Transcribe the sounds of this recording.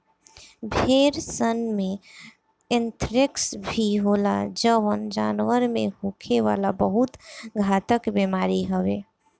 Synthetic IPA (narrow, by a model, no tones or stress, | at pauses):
bʱeːɾsənmẽ | ɪnt̪ɾɪksbʱiɦoːla̰d͡ʒəʋənd͡ʒaːnwəɾmḛ̃ɦuːkʰeʋa̰ːlabəɦʊt̪ɡʱaːt̪əkbeːmaːɾiɦəʋeː